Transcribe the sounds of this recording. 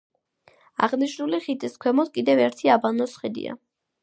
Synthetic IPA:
a̰ʁniʃnuliχit̪ʼiskʰwɛmɔskʼid̪ɛvɛɾt̪ʰiabanɔsχɛd̪ḭa̰

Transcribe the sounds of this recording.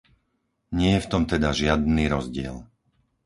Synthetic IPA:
ɲɪɛjɛft̪ɔmt̪ɛd̪aʒɪad̪niːɾɔzɟɪɛ̰l

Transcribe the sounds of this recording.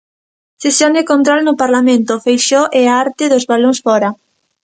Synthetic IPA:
sesjoŋd̪ɪkont̪ɾolnʊpaɾlamẽnt̪ʊfejʃoʔɛaaɾt̪ɪðozβaloŋsfɔɾɐ

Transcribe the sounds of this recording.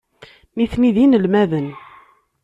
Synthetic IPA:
niθniðinəlmæðən

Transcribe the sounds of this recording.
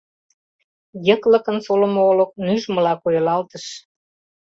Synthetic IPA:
jəklə̆kənsolə̆moolək̚nyʒmə̆lɑkojəlɑlt̪əʃ

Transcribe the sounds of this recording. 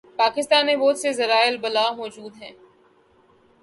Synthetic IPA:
paːkɪst̪aːnːẽboːt̪sezɐɾaːɪlbɐlaːmɔːd͡ʒuːd̪ɦɛ̃ː

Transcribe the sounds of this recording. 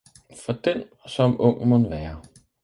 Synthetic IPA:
fɒ̽d̥ensɒ̽mɔ̽ŋ̰monʋæːɐ

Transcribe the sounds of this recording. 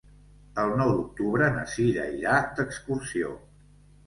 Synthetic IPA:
əlˠnɔwd̪uk̚t̪uβɾənə̰siʎə̰ʎak̚d̪əkskursio̰

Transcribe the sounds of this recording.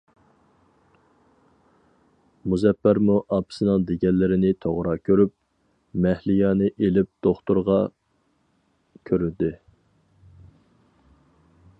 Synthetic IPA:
muzɛpːæɾmuʔɑpsɨnɨŋd̪eɡʲɛlːɪɾɪnɪt̪ʰoʁɾɑkʲʰøɾyp̚ | mɛhlɪjɑːnɨʔelɪp̚d̪̥oχt̪uɾʁɑ | kʲʰøɾyd̪ɪ

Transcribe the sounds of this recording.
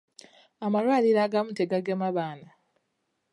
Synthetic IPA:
amalwaːliɾaːɡamuteɡaɡemaβaːna

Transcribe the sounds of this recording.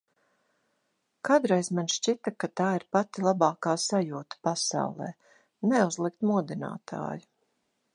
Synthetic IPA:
kad̪ɾɛjzmanʃt͡ʃit̪akat̪aːiɾpat̪ilˠabɑːkaːsajuːt̪ḁpasa̰wlˠɛ̰ː | nɛuzlˠikt̪muɔd̪ina̰ːt̪ʰa̰ːju

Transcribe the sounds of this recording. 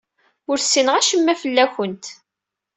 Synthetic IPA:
ʊɾsːinəʁæʃəmːæfəlːæçənt̪

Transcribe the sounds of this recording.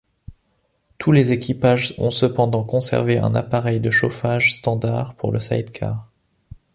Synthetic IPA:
t̪ʰulezekʰʲipaʒɔ̰̃səpɑ̃d̪ɑ̃kɔ̃sɛ̰ʁveʔɛ̰̃na̰paʁɛjd̪əʃofaʒst̪ɑ̃d̪aʁpuʁləsa̰jd̪kʰa̰ʁ

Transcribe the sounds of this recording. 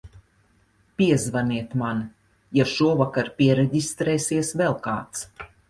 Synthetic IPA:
pʲiɛzvaniɛt̪man | jaʃuɔvakaɾpʲiɛɾɛɟʲist̪ɾɛːsiɛsvɛlˠka̰ːt̪s

